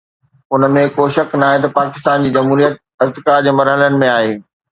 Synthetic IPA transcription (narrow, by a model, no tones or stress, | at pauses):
ʊnəmẽkoːʃɐkʰnaːɦẽt̪̬ɐpaːkɪ̥st̪aːnd͡ʑiːd͡ʑɐmɦuːɾijət̪̚ | ɪɾt̪ɪkaːɾd͡ʑeːmɐɾɦələnɪ̆mẽaːɦeː